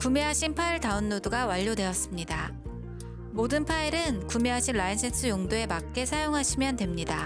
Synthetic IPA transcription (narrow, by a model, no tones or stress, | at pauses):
kume̞ɦaɕʰinpʰaiɭtaunːoduɡawaʎːode̞ʌs͈ɯmɲida | modɯnpʰaeɾɯnkume̞ɦaɕʰinɭainsʰe̞nsʰɯjoŋdoe̞mak̚k͈e̞sʰajoŋɦaɕʰimjʌndwe̞mɲida